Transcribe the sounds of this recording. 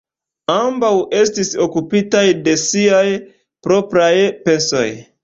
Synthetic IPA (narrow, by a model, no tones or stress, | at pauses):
ambawʔe̞stiso̞kupitajde̞siaj | pɾo̞pɾajpe̞so̞̰j